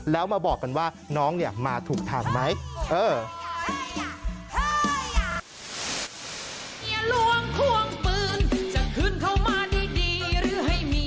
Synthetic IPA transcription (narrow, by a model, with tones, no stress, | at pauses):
lɛː˦˥wmaː˧bɔː˨˩kːa˧nwaː˥˩ | nɔː˦˥ŋni˨˩əmaː˧t̪ʰuː˨˩k̚t̪ʰaː˧˩ŋma˦˥jʔɤː˧ | ŋi˧˩əlu˧˩əŋk̪ʰu˧˩əŋpɯː˧nt͡ɕa˨˩kʰːɯ˥˩˨nkʰa˧˩wmaː˧diː˧˩diː˧ɾɯː˨˦˥ɦa˥˩jmiː˧